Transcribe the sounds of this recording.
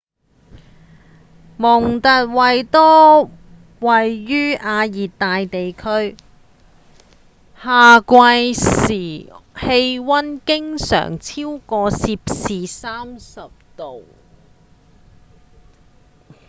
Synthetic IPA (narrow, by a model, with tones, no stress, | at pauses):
mʊ˨˩ŋt̪ɐ˨t̚wɐ˨jt̪ɔː˥ | wɐ˨jːyː˥aː˧jiː˨tt̪ːaː˨jt̪e˨jkʰɵ˥ɥ | haː˨kʷɐ˧jsiː˨˩he˧jwɐ˥nkɪ˥ŋsœ̰ː˨˩ŋt͡sʰiː˥wkɔː˧siː˧p̚siː˨saː˥msɐ˨p̚t̪o˨w